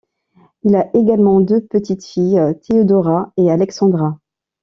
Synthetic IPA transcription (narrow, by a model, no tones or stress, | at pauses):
ilaʔeɡalmɑ̃d̪øpət̪it̪fijt̪ʰeɔd̪ɔʁaealɛksɑ̃d̪ʁa